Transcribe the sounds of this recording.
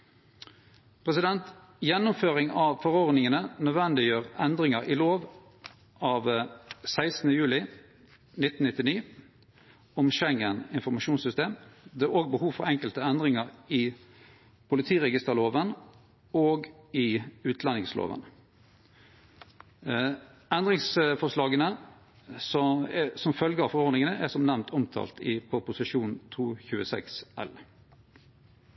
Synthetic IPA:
pʰʁɛsɪd̪ɛnt̪ | jɛnːʊmføːʁɪŋɑʋfɔʁɔʁd̪nɪŋənənœd̪ʋɛnd̪ɪjøːʁɛnd̪ʁɪŋəʁɪloːʋ | ɑːʋsæɪsn̩əjʉːlɪ | nɪt̪ːn̩nɪt̪ːɪniː | ɔmʃɛŋːənɪnfɔʁmɑʃuːnsʏst̪eːmd̪ɛːoːɡ̚bəhuːʋfɔʁɛŋkəlt̪əɛnd̪ʁɪŋəʁɪ | pʰʊlɪt̪ʰiːʁɛɡɪst̪əʁloːʋən | oːɡɪʉːt̪ʰlɛnɪŋslo̰ːʋə̰n | ɛnd̪ʁɪŋsfɔʁʂlɑːɡənə | sɔsɔmfœlɡəɑfɔʁɔɾd̪nɪŋənəʔæsɔmnæʋnt̪ʰɔmt̪ʰɑ̰ːlt̪ɪpʰɔpʊsɪʂuːnt̪ʰuːçʉːəsɛ̰ksɛ̰l

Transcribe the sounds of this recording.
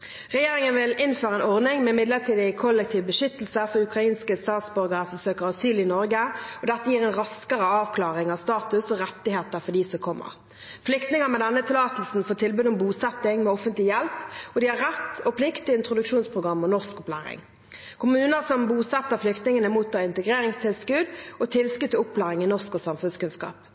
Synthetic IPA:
ʁɛjeːɾɪŋənʋɪlɪnføːɾʁəɛnɔʁnɪŋmɛɪmɪd̪ləʁt̪ʰiːd̪ɪkʰɔlːɛk̚t̪ʰiːʋbəʃʏt̪ːl̩səfɔɾʉkʁɑiːnskəst̪ɑːt̪sbœɾɡəʁəsɔsøːkəʁɑsyːlɪnɔɾɡəɔd̪ɛt̪ːəjiːʁɛnʁɑskəʁəɑːʋkʰlɑːʁɪŋɑʋst̪ɑːt̪ʉsɔʁɛt̪ːɪheːt̪əfɔd̪isɔkʰɔmːə̰ʁ | flʏkt̪nɪŋəmɛd̪ɛnːət̪ʰɪlɑːt̪lsn̩foːt̪ʰɪlbʉːd̪ɔmbuːsɛt̪ːɪŋmɛɔfənt̪lɪjɛlpɔd̪ɪhɑʁɛt̪ːɔpʰlɪkt̪ɪɪnt̪ʁʊd̪ʉkʂuːnspʰʁʊɡʁɑmːɔnɔskʊplæ̰ːɾɪ̰ŋ | kʰʊmʉːnəsɔmbuːsɛt̪ːəʁflʏkt̪nɪŋənəmuːt̪ːɑɪnt̪əɡʁeːɾɪŋst̪ʰɪlskʉd̪ɔt̪ʰɪlskʉt̪ːɪʊpʰːlæːɾɪŋɪnɔskɔsɑmfʉnskʉnskɑ̰ːp

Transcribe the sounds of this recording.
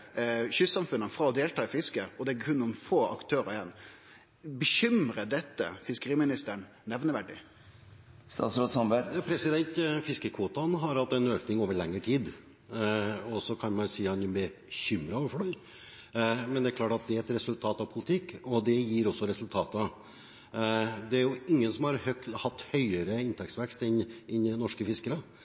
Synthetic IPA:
çʏsɑmfʉnəfɾɑːɔd̪eːlt̪ʰɑːɪfɪskəɔd̪ɛækʰʉnːɔnfoːʔɑ̰kt̪ʰøːɾəɪjɛnː | bəɕʏmɾəd̪ɛt̪ːə̰fɪskəɾiːmɪnɪst̪əɳ | nɛʋnəʋæɖɪ̰ | st̪ɑ̰ːt̪sɾoːd̪sɑmbæpʰɾɛsɪd̪ɛnt̪fɪskəkʰʋuːt̪ɑnɦɑɾhɑlt̪ːɛnøːknɪŋoːʋəɭɛŋːəʈʰiːd̪ | ɔsɔkʰɑnmɑnsiːɑnɛbə | çʏmɾɑoːʋəɾfɔɖœʏ | mɛnd̪ɛæɾklɑːʈɑt̪̚d̪ɛæɾɛt̪ɾɛsʉlt̪ʰɑːt̪ɑʋpʰʊlɪt̪ʰɪkːɔd̪ɛjiːɾɔsːɔɾɛsʉlt̪ʰɑːt̪ə | d̪ɛæɾjʊɪŋːənsɔmhɑɾhœkhɑt̪ːhœʏəɾəɪnt̪ʰɛksʋɛkst̪ɪnɪnnɔʂkəfɪskəɾə

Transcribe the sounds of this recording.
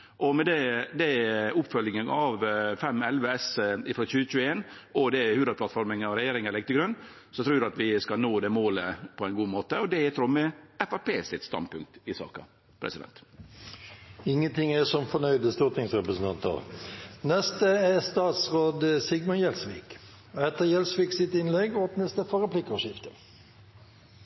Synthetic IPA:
ʔɔmɛd̪ɛd̪ɛʊpːfœljɪŋənʔɑʋfɛmɛlʋəɛsɪfɾoːçʉːət͡ʃʉːəeːn | ɔd̪ɛhʉːd̪ɾədplɑt̪fɔɾməŋɑʋɾɛjeːɾɪŋəlɛɡ̚t̪ɪɡɾʉnː | sɔt̪ʰɾuːdʉɑt̪ʋɪskɑnoːd̪ɛmoːləpʰɔæɪnɡuːmoːt̪əɔd̪ɛɛt̪ʰɾɔmːəɛfæpeːsɪt̪st̪ɑ̰nd̪pʉŋk̚t̪ɪsɑ̰ːkɑ̰ | pʰɾʔɛ̰sɪd̪ɛ̰nt̪ | ɪŋːənt̪ɪŋæsɔmfɔnœʏd̪əst̪uːʁt̪ɪŋsʁɛpɾəsən̩t̪ʰɑnt̪ə̰ʁnɛst̪əɛst̪ɑːt̪sʁoːd̪əsɪɡmɔnjɛlsʋḭːk | ɛt̪əjɛlsʋɪːksɪt̪ɪnlɛɡɔːpnəsd̪ɛfɔʁəplɪkːəʃɪft̪ə

